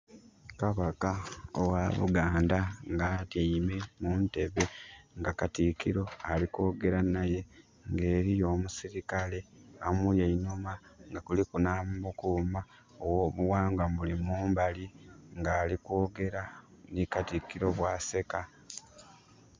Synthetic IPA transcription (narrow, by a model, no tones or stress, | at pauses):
kaβakao̰wa̰βṵɡaːndaŋɡaːtame̞munte̞βe̞ŋɡakatikiɾo̞aliko̞ːɡe̞ɾanaje̞ | ŋɡe̞ːɾijo̞ːmusiɾikale̞amuljaiɲumaŋɡakulikunaːmmukuma | owoːβuwaːŋɡamulimuːmbaliŋɡaːlikoːɡe̞ɾanikatikiɾo̞βwaːse̞ka